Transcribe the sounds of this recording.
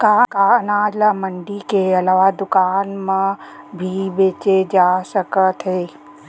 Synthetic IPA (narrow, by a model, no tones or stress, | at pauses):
kaːkaːnaːd͡ʒləməɳɖikeɐlaʋad̪ʊkaːnmãbʱibeːt͡ʃed͡ʒaːsəkət̪ɦeː